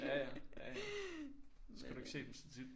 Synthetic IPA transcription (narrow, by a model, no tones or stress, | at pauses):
jæjæjæ | sɡɡæɾ̥ueɡ̥se̝̰ːd̥emsint͡sʰid̥